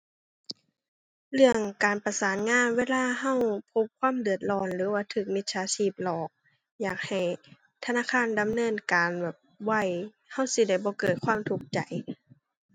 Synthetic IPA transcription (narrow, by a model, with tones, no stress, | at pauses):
lɯ˧˩əŋkaː˨˩npa˧saː˨˦nŋaː˧˥˨nweː˧˥˨laː˧˨ɦa˧˥˨wpʰo˧p̚kʰwaː˧˥˨mdɯ˨˩ət̪̚lɔː˧˩nlɯː˨˦waː˧˩t̪ʰɯː˧˩k̚mi˧t̪̚saː˧˦sʰiː˧˩p̚lɔː˨˩k̚ | jaː˨˩k̚ha˨˩j | t̪ʰa˧naː˧˨kʰaː˧˥˨nda˨mnɤː˧˥˨nkaː˨nbɛː˨˩p̚wa˧˩j | ha˧˥˩wsi˧˦da˧˩jbɔː˧˦kɤː˨˩t̪̚kʰwaː˧˥˨mt̪ʰu˨˧˩k̚t͡ɕa˨˩j